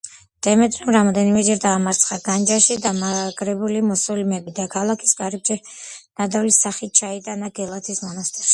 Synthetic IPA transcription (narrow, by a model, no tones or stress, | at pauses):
d̪̥ɛmɛt̪ʼɾɔmɾamɔd̪ɛnimɛd͡ʒɛɾd̪aːmaɾt̪sʰχaɡ̥and͡ʒaʃid̪amaɡɾɛbulimɔsɔlimɛbid̪akʰalˠakʰi̥sɡaɾɛbʃɛ | n̥ad̪avlisaχit̪̚t͡ʃʰait̪ʼanaɡɛlˠat̪ʰismɔnast̪ʼɛɾs